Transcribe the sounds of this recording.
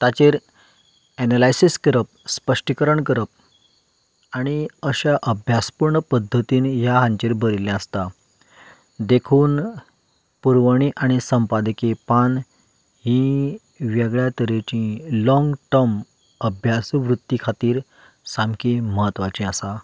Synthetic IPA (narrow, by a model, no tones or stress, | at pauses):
t̪at͡ɕeɾ | ɛnalajsiskəɾəp̚spəʂʈikəɾəɳkəɾəp̚ | aɽ̃iəɕaʔəbʱjaspuɾɳəpəd̪ʱːət̪iːnɦjaɦãɲt͡ɕeɾbəɾilɛ̃əst̪a | d̪ekʰuːn | puɾʋəɽ̃iʔaɽ̃isəmpad̪kepan | ɦĩ | ʋɛɡɭjat̪əɾet͡ɕĩlɔ̃ŋɡʈəɾm | əbʱjasʋɾut̪ːikʰat̪iːɾ | samkiməɦət̪ʋat͡ɕĩasa